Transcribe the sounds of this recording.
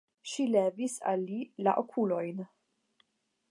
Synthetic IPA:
ʃilɛːvisa̰lːilaʔokʰulojn

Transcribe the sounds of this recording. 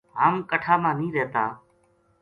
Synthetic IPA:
ɦaːmkəʈʰaːmãːnĩːɾeːt̪aː

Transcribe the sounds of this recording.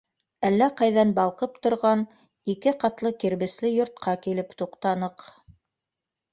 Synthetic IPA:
ælːæqɑjðɑnbɑlˠqɤpt̪ŏɾʁɑn | ikɘqɑt̪lˠɤkiɾβɘ̆slɘjŏɾt̪̚qɑkilɘpt̪uqt̪ɑnɤq

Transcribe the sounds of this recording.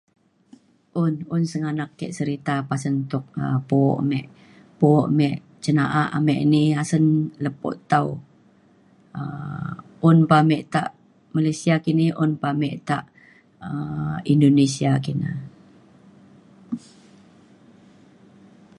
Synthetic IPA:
ʔʊnʊnsəŋanakːɛʔsəɾit̪apasənt̪ʊk̚ə̰poʔmɛʔ | poʔmɛʔ | t͡ʃənaʔaamɛʔniasənləpo̰ʔt̪au | ə | ʔʊnpamɛʔt̪a̰ʔ | malesiakiniʔʊnpamɛʔt̪aʔ | əindonesiakina̰

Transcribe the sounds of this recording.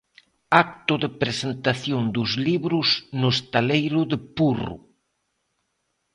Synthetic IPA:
ak̚t̪ʊðɪpɾesent̪aθjond̪ʊzliβɾʊsnʊst̪alejɾʊðɪpurʊ̰

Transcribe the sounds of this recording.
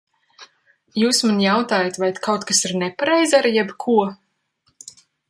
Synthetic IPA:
juːsmanjawt̪aːjat̪vajt̪kawt̪kasiɾnɛpaɾɛjzʲaɾjɛbkʰuɔ

